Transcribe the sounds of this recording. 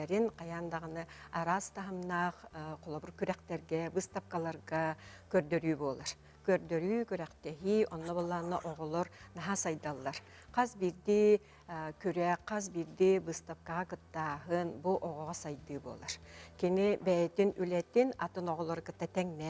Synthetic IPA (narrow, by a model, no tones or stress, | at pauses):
ɛɾinqɑjand̪ɑʁɯnɯaɾast̪ɑɦɯmnɑqqolˠɔbuɾkyɾɛkt̪ɛɾɡɛbɯst̪afkalˠaɾʁɑ | køɾd̪øɾyːbulˠaɾ | køɾd̪øɾyːkyɾɛqt̪ɛɦiɔnːɔbolˠanːaʔoʁɔlˠɔɾnɑɦasɑjd̪alˠːaɾ | qɑzbiɾd̪i | kyɾɛqʰːɑzbiɾd̪ibɯst̪afkaʁɑkɯt̪ːaːɦɯnbuʔoʁɔʁɑsɑjd̪ɯbṵlˠaɾkinibɛjɛt̪inylɛt̪inat̪ɯnoʁɔlˠoɾɯkɯt̪ːat̪ɛŋnɛ